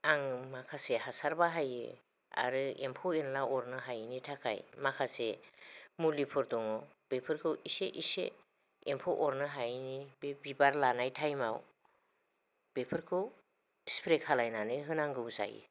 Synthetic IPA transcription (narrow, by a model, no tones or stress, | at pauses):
aŋmakʰasehasaɾbaɦajɯ̰ | a̰ɾɯḛmpʰɔenlaʔɔɾnɯɦajnitʰakʰa̰jmakʰase | mulipʰɯɾdɔŋɔ | b̥epʰɯɾkʰɯwiseʔisḛ | empʰɔʔɔɾnɯɦajnibebibaɾlanajtʰajmaw | b̥epʰɯɾkʰɯw | spʰɾekʰalajnanɯɦɯnaŋɡɯwza̰jɯ̰